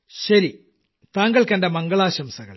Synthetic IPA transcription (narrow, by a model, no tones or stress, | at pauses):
ɕɐɾi | t̪aːŋɡɐɭkɐndemɐŋɡɐɭaːɕɐmsɐɣɐ̰ɭ